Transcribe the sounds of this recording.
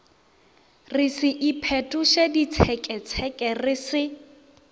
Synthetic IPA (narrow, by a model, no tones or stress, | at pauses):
rɪsɪʔipʰɛtʼuʃedit͡sʰɛkʼɛt͡sʰɛkʼɛrɪsɪ